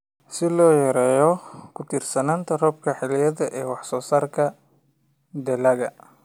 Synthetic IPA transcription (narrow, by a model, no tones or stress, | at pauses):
sɪlɔːjɐɾɛːjɔkʰʊt̪ʰiːrsɐnaːnt̪ʰɐrɔb̚kʰɐħɪlɪjɐðɐʔɛːwɑħsɔːsaːrkʰɐ | d̪ɛlɐɣɐ